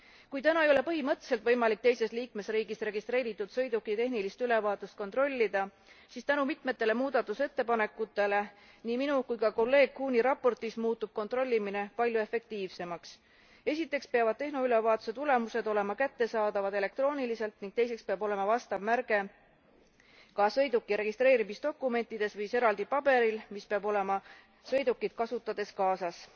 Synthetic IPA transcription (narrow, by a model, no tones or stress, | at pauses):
kujt̪ænɑejo̞le̞pɤɦimɤt̪ːˑselt̪vɤ̞jmɑlik̚t̪e̞jse̞st̪liːk̚me̞sriːɡist̪re̞ɡ̥ist̪re̞ːɾit̪ːˑud̪̥sɤ̞jd̪ukːˑit̪e̞ɦnilist̪yle̞vɑːt̪ˑust̪kot̪ro̞lʲːid̪̥ɑ | siːst̪ænumit̪me̞t̪ːˑe̞le̞muːd̪̥ɑt̪ːˑuse̞t̪ːe̞pɑne̞kːˑut̪ːˑe̞le̞ | niːminukujkɑko̞lːe̞ːɡ̥̚kuːniɾɑpːˑo̞rt̪ismuːt̪ːˑub̥̚ko̞nt̪ro̞lʲːimine̞pɑlʲjue̞fe̞k̚t̪iːvse̞mɑks | e̞sʲit̪ˑːe̞kspeɑvɑd̪̥̚t̪e̞hno̞ylevɑːt̪u̥se̞t̪ule̞muse̞d̪o̞le̞mɑkæt̪ːe̞sɑːd̪̥ɑvɑd̪̥e̞le̞k̚t̪ro̞ːnilise̞lt̪niŋɡ̥̚t̪e̞jse̞kspeɑbo̞le̞mɑvɑst̪ɑvmærɡ̥e̞ | kɑsɤ̞jd̪ukːˑiɾe̞ɡ̥ist̪ɾe̞ːɾimisd̪̥o̞kːˑume̞nʲt̪ːˑid̪̥e̞svɯjse̞ɾɑld̪ipɑb̥e̞ɾilmispeɑbo̞le̞mɑ | sɤ̞jd̪ukːˑid̪̥kɑsut̪ːˑɑd̪̥e̞skɑːsɑs